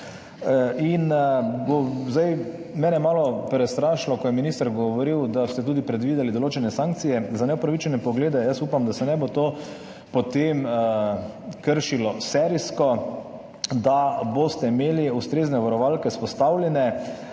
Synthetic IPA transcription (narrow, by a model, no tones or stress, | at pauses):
inbozd̪aj | mɛːnɛmaːlɔpɾɛst̪ɾaʃlɔkɔjɛminist̪əɾɡɔʋɔɾiwd̪ast̪ɛt̪uːd̪ipɾɛd̪ʋiːd̪ɛlid̪ɔloːt͡ʃɛnɛsaŋk̚t̪sijɛzanɛɔpɾaʋit͡ʃɛnɛpɔɡleːd̪ɛjasuːpamd̪asɛnɛbot̪oː | pot̪em | kəɾʃilɔsɛɾiskɔ | d̪abost̪ɛimeːliust̪ɾeːznɛʋaɾɔʋalkɛspɔst̪awlʲɛnɛ